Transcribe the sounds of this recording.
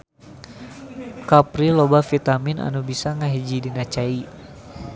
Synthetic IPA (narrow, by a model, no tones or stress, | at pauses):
kapɾilobafit̪aminʔa̰nubisaŋaɦid͡ʒidinat͡ʃai